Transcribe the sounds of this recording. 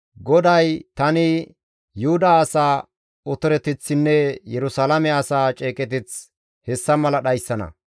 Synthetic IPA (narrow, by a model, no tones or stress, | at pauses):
ɡɔd̪ɐjt̪ɐnɪ | jʊhʊd̪ɐːsaː | ɔt̪ʊɾɛt̪ɪt͡sːɪnːɛjɛɾʊsalɐmɛɐsaːt͡ʃʼeːkʼɛt̪̬ɪt͡s | hɛsːɐmɐlɐɗɐjsːɐnɐ̰